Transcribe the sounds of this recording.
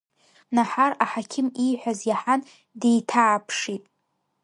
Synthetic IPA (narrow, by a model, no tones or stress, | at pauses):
naħaraħakʲʰɪmijħʷᶣazjaħan | dejtʰaːpʰʂitʼ